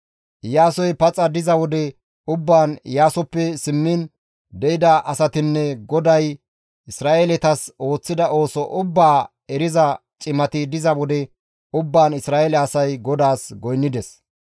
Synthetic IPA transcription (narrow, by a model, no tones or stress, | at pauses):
jaːsɔjpɐt͡sʼɐd̪ɪzɐwɔd̪ɛ | ʊbːaːnjaːsɔpːɛsɪmːiːn | d̪ɛʔɪd̪ɐʔɐsɐt̪ɪnːɛɡɔd̪ɐj | ɪsɾaːʔelɛt̪ɐso̞ːt͡sːɪd̪ɐʔo̞ːsɔʔʊbːaː | ɛɾɪzɐ | t͡ʃʼɪmɐt̪ɪd̪ɪzɐwɔd̪ɛ | ʊbːaːnɪsɾaːʔɛlɛɐsɐjɡɔd̪aːsɡɔjnːɪd̪ɛs